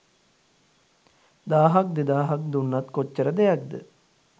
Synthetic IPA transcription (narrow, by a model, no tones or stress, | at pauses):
d̪aːɦak̚d̪ed̪aːɦak̚d̪unːɐt̪kot͡ʃːəɾəd̪ejak̚d̪ə